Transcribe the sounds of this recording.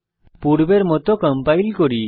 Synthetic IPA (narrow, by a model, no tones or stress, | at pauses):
puɽbeɾmɔt̪ɔkəmpajlkɔɽi